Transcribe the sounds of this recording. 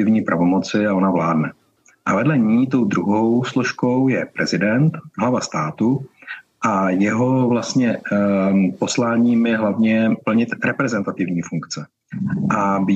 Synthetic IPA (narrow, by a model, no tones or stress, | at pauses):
ɪvɲiːpɾʔavo̞mot͡sɪao̞navlaːdnɛ | ʔavɛdlɛɲiːt̪o̞wd̪ɾuɦo̞wsloʃko̞wjɛpɾʔɛzɪdɛnt̪ɦlavast̪aːt̪u | ʔajɛɦo̞vlast̪ɲɛ | po̞slaːɲiːmjɛɦlavɲɛpl̩ɲɪt̪ɾɛpɾɛzɛnt̪at̪ɪvɲiːfuŋkt͡sɛ | ʔab